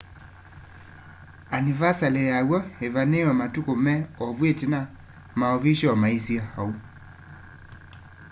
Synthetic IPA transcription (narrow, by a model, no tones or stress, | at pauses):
anivasalɛjaɣɔhɛvanɛɔmatukɔmɛɔvwetina | maɔviʃɔmaisiahau